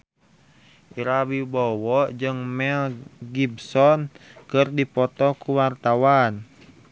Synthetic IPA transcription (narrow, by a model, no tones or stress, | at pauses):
ʔiɾabibɔwɔʔd͡ʒɨŋmɛlɡibsɔnkɨrdipɔt̪ɔkuwart̪awan